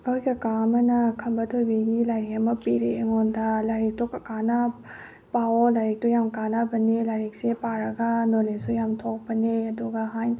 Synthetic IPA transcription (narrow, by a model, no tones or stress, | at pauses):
ɔjɡɐkamɐnɐkʰɐmbɐtʰojbiɡilajɾiɐmɐpiɾeːŋɔndɐlajɾik̚tokɐkanɐ | paolajɾik̚tujamkanabɐnelajɾik̚sepaɾɐɡɐnolesujamtʰok̚pɐneɐduɡɐɦaj